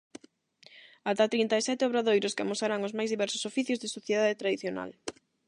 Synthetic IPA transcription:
at̪at̪ɾint̪aesɛt̪eoβɾaðojɾʊskɪamosaɾaŋʊzmajzðiβɛɾsʊ̥sofiθjʊzðɪsoθjeðaðet̪ɾaðiθjona̰l

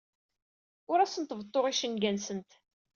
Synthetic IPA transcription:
ʊɾæsənt̪vət̪ˤːoʁiʃənɡænsənt̪

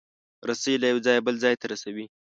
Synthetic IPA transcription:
ɾasalajawd͡zɑjbəld͡zɑjt̪aɾasawi

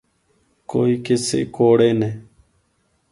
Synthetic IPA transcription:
koːiːkesḛːkoːɽeːneː

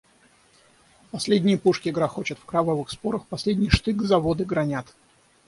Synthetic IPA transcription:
pɐsʲlʲedʲnʲɪjəpuʂkʲɪɡɾaxo̞t͡ɕət̪fkɾɐvavɨxspo̞ɾəxpɐsʲlʲedʲnʲɪjʂt̪ɨɡzɐvo̞d̪ɨɡɾɐnʲat̪

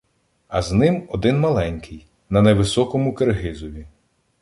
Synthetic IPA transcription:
ɐznɪmɔd̪ɪnmɐlˠɛnʲkʰɪj | nɐnɐʋɪsɔkɔmʊkerɦɪzɔʋʲi

